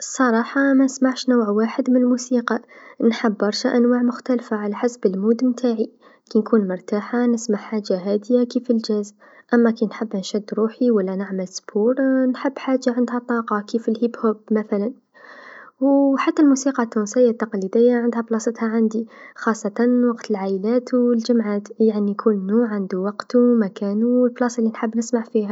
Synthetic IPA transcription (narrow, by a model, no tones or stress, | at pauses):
sˤɑɾˤɑːħɑmanɪsmaʕʃnawʕwaːħɪd̪mɪnlmuːsiːqɑnħɪbːɑɾˤʃaʔanwaːʕmʊxt̪alfaʕalaħasbɪlmuːd̪mt̪ʰaːʕi | kinkuːnmʊɾˤt̪aːħanɪsmaʕħaːd͡ʒːaɦaːd̪ɪjakiːfɪld͡ʒaz | ʔamːakinħɪbːnʃad̪ːɾuːħiwalːanaʕmalsbuːɾnħəbːħaːʒːaʕɪnd̪ɦat̪ˤɑːqɑkiːfɪlhibhobmaθalan | wħat̪ːalmusiːqɑt̪ːunsɪjːat̪ːɑqlid̪ɪjːaʕɪnd̪hablɑsˤət̪haʕand̪ixɑːsˤːɑt̪ɑwɑqt̪ʰəlʕaʔəlaːt̪wəld͡ʒamʕaːt̪jaʕnikʰʊlːnuːʕand̪uwɑqt̪umakaːnulblɑsɪlːinħəbːnɪsmaʕfiːha